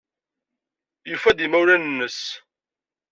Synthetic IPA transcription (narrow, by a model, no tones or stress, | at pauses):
jufːæd̪imæwɾænənːəs